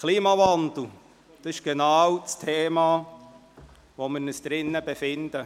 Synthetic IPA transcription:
kʰliːmɑʋɑnd̪l̩ˠ | d̪̥ɑsɪʃɡ̥enɑːwt͡stʰeːmɑː | ʋomɪɾnəsd̥̪ɾɪnːəbefɪnd̪ə

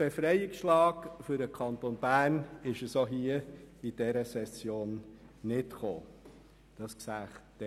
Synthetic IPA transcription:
b̥efɾɛjɪksʃlɑːɡfʏɾdəkʰɑnt̪onbæːnɪʃəsoɦiəid̥ɛɾəsɛsjoːnː | ɪtχoː | d̥ɑsksæːχtː

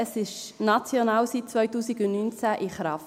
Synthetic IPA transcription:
əsɪʃnɑt͡sjɔnɑːwsit̚t͡svœjtuːsiɡʊnnynt͡sæʔɪχɾɑf

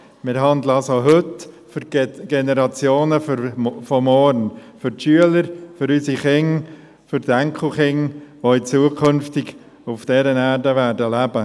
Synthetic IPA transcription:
mɪɾɦɑnd̪ləɑsoɦɵt | fʏɾɡ̥ɛnɛɾɑt͡sjoːnəffɔmɔɾnfʏɾtʃyələɾfʏɾysiχɪŋ | fʏɾdæŋkʰl̩ˠχɪŋʋoɪt͡suəkʰɵnftɪɡ | ufd̥ɛɾənæːɾdəʋæːɾdəlæb̥ə

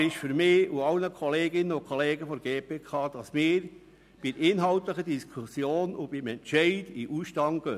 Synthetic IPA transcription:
ɾɪʃfyɾmɪːuɑlnəkʰɔleːɡɪnːənokʰɔleːɡəfɔɾɡeːpʰeːkʰɑːd̥̪ɑsmɪːɾ | b̥iɪnɦɑlt̪ləχədiskʰusjoːnub̥ɪmɛnt͡ʃɛɪdiʔuʃtɑŋɡ̥ø

